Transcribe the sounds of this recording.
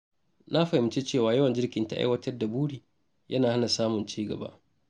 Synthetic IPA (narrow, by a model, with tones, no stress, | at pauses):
na˦ɸa˨jm˨t͡ʃe˦t͡ʃeː˦˨waː˨jɐ˦wɐ˨nd͡ʒɪ˦rkʲɪ˨nta̰˦ʔa̰˦jwɐ˦tɐ˦rda˨buː˦ɽiː˨ | jʔɐ˦naː˨ha˦na˨saː˦mʊ˨nt͡ʃiː˦ɡɐ̰˨ba̰˦ʔ